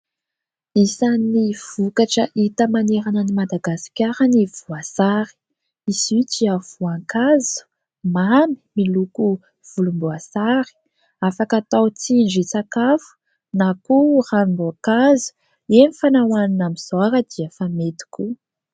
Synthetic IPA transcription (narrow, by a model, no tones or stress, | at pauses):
isanːiv̥ukaʈ͡ʂəʔit̪əmaneɾanənimad̪aɡasi̥kʲaɾanivuasaɾi̥ | isit͡ʃiav̥uaŋkazu̥ | mami̥miluku | v̥ulumbuasaɾi̥ | afakat̪awt͡sind͡ʒit͡sakafu̥ | nakurambuakazu̥ | enifanawaninamizaɾəd̪̥iəfamet̪i̥kʲu